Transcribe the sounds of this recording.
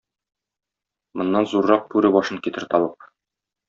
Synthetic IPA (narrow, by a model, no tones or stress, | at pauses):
mŏnːɑnzuɾːɑq̚pʉɾɘbɒʃɤŋkit̪ɘɾt̪ɒbɤp̚